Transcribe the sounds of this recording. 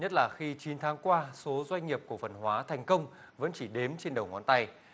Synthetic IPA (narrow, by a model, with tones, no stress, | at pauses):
ɲə˦˥t̚laː˨˩xi˧t͡ɕi˨˦nt̪ʰaː˨˦ŋkwaː˧so˨˦zwa˧jŋ̟ːi˨˩əp̚ku˧˩əfə˨˩nɦwaː˨˦t̪ʰɛ˨˩jŋ̟kə˧wŋ͡m | və̰˧˥nt͡ɕi˧˩ɗe˨˦mt͡ɕe˧nɗə˨˩wŋɔ˨˦nt̪a˧j